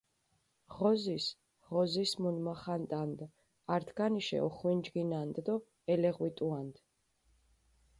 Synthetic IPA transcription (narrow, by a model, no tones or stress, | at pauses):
ʁɔzis | ʁɔzismunmaχant̪ʼand̪ | aɾt̪ʰɡaniʃɛ̰ɔχwind͡ʒɡinand̪d̪ɔ | ɛlɛʁwit̪ʼuand̪̥